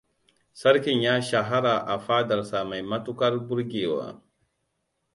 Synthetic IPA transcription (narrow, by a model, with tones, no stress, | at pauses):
sa˦ɾki˨nja˦ʃa˨ɦa˦ɾa˨ʔa˨fa˦da˨ɾsa˨ma˨jma˦tu˦ka˦ɾbu˦ɾɡe˨wa̰˨